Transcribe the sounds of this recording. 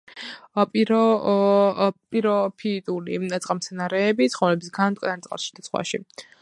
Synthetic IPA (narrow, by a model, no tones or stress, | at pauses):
pʼiɾɔ | pʼiɾɔpʰiːt̪ʼulḭat̪sʼqʼamsʰɛnaɾɛːbit̪sʰχɔmlɛbi̥sɡant̪ʼɛ̰nanɾt̪sʼqʼa̰ɾˠsʃi̥d̪at̪sχwa̰ʃḭ